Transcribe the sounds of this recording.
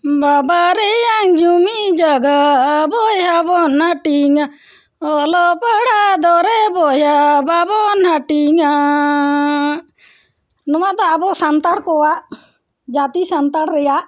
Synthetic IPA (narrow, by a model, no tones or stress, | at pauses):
babaɾɛjaŋd͡ʒumid͡ʒaɡabɔjabɔnaʈiŋa | ɔlɔpaɽad̪ɔɾɛbɔjababɔnaʈiŋa | nɔwad̪ɔabɔsant̪aɽkɔwaʔ | d͡ʒat̪isant̪aɽɾɛjaʔ